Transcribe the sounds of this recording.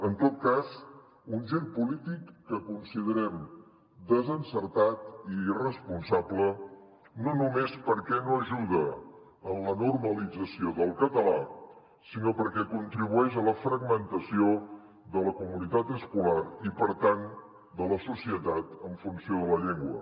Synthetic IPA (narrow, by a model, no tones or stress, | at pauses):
ənt̪ot̪̚kaz | unʒenpulit̪ikːəkunsiðəɾɛm | d̪əzənsəɾt̪at̪irəspunsablə | nonumespəɾkɛnoəʒuðə | ənlənurməlid͡zəsioðəlˠkət̪əla | sinopəɾkɛkunt̪ɾiβuɛʃələfɾəɡmənt̪əsio | ðələkumunit̪at̪əskulaɾipəɾt̪an | d̪ələsusiət̪at̪əɱfunsioðələʎeŋɡwə̰